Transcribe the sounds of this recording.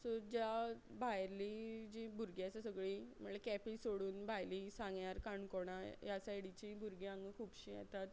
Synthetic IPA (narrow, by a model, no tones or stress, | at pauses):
sɔɾd͡ʑja | bʱajɾlid͡ʑibʱuɾɡjasasəɡɭim̤əɳlakɛpisoɽuːnbʱajlisãŋɡjaɾkaɳkoɽ̃ajasajɽit͡ɕibʱuɾɡiãŋɡəkʰuːbɕiːja̰t̪at̪